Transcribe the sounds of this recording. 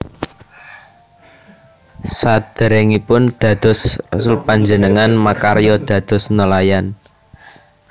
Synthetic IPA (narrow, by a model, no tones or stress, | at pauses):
sad̪̥əɾɛŋipʊnd̪̥ä̤d̪̥ɔ̤sasulpaɲd͡ʒənəŋanmakaɾjɔd̪̥ä̤d̪̥ɔ̤snəlajan